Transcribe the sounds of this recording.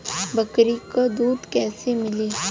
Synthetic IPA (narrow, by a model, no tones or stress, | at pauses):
bɐkɾikod̪uːd̪kɛːsemɪliː